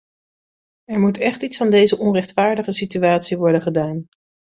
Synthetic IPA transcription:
ɛɹmutɛχtitsfɑndejzəʔɔnrɛχtfaːɹdəχəsityaːtsiʋɔɹdənχədaːn

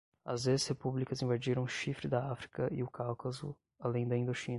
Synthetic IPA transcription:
ɐ̰zd̪ezhepublikɐzẽvad͡ʒiɾɐ̃w̃ʊʃifɾɪd̪ɐafɾi̥kɐʔɪʊkawkɐzʊ̰ | alẽj̃d̪ɐĩnd̪ot͡ʃĩnɐ

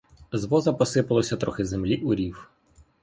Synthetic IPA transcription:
zʋɔzɐpɔsɪpɐlˠɔsʲɐt̪ɾɔxɪzemlʲiʔʊɾʲiw

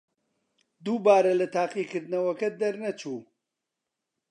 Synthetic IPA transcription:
d̪uːbaːɾɐlɐt̪ʰaːqiːkɨɾd̪nɐwɐkɐd̪ɐɾnɐt͡ʃuː

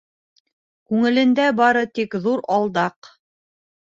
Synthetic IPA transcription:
kʉŋɘ̆lɘ̆nd̪æbɑɾɤt̪ikðuɾɑlˠd̪ɑq

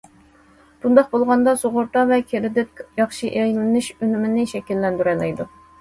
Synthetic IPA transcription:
b̥und̪ɑqbolˠʁɑnd̪ɑsoʁʊɾt̪ɑvɛkʲʰeɾɪd̪ɪp̚jɑχʃiʔeʁlɪnɪʃønymɪnɪʃɛkʲilːɛnd̪yɾɛlɛjd̪u

